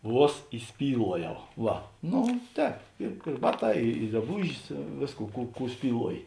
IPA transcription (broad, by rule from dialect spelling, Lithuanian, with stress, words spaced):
ˈʋuɔs iːˈsʲpʲiːlˠuɔjɛʊ ˈʋɐ ˈnoː ˈtʲɛːp ɪr ɪr ˈbɑːˌtɑː ɪ ɪ drɐˈbuːʒʲɪs ˈʋʲeːsˌkuː ˈkuː ˈkuː sʲpʲiːˈlˠuɔjɪ